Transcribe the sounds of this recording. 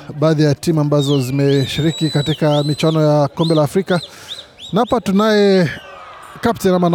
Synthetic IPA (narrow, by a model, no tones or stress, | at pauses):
ɓaːðijatimuambazɔzimɛʃiɾikikatikamit͡ʃwanɔjakɔmbɛlaːfɾika | naapatunaɛ | kaptɛnaman